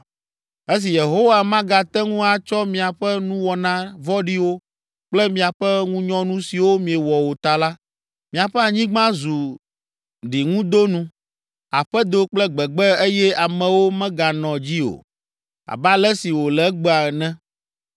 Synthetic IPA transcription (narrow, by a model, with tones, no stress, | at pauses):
e˦s̬i˨je˨ɦo˦wa˨mã˦ɡa˨t̪ɛ˦ŋũ˦a˨t͡ʃɔ˦mĩ˨a˨ɸɛ˦nũ˦wɔ˨nã˦vɔ˦ɖi˦wo˦ | k͡plɛ˦mĩ˨a˨ɸɛ˦ŋũ˦ɲɔ̃˦nũ˦si˨wo˦mĩ˨ɛ˨wɔ˨wo˨t̪a˨la˦ | mĩ˨a˨ɸɛ˦a˨ɲĩ˦ɡ͡bã˦zu˨ | ɖi˨ŋũ˦d̪o˦nũ˦ | a˨ɸɛ˦d̪o˦k͡plɛ˦ɡ͡bɛ˨ɡ͡bɛ˦e˦jɛ˦a˨mɛ̃˨wo˦mɛ̃˦ɡa˨nɔ̃˨d͡ʑi˦o̰˨ | a̰˨ba˦lɛ˦si˨wo˨lɛ˨˦ɡ͡bɛ˦a˨nɛ̃˦